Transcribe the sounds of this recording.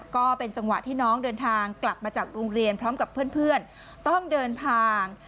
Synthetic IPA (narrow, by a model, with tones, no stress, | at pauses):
kɔː˥˩pe˧nt͡ɕa˧ŋwa̰˨˩ʔt̪ʰiː˥˩nɔː˦˥ŋdɤː˧nt̪ʰaː˧ŋkla˨˩p̚maː˧t͡ɕaː˨˩k̚ɾoː˧ŋɾi˧ənpʰɾɔː˦˥mka˨˩pʰːɯ˥˩ənpʰɯ˥˩ən | t̪ɔ˥˩ŋdɤː˧np̪ʰaː˧ŋ